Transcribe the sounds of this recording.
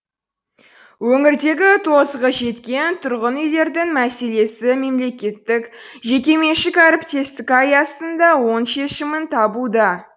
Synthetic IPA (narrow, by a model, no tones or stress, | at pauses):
wɵŋɪɾd̪e̞ɡʲɪt̪ʰo̞sʁəʒe̞t̪kʲe̞nt̪ʰʊɾʁənʏjle̞ɾd̪ɪŋmæse̞le̞sɪme̞mle̞kʲe̞t̪ːɪkʒe̞k̬ʲe̞me̞ʃɪkaɾpt̪ʰest̪ɪkajɑsənd̪ɑwo̞nʃe̞ʃɪmɪnt̪ʰɑbud̪ɑ